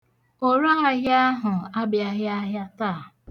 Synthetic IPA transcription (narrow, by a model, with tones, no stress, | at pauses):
o˦ɾa˦ɦa˦ɣja˦ɦʊ˨a˦bja˦ɦja˦ɦja˦taː˦˨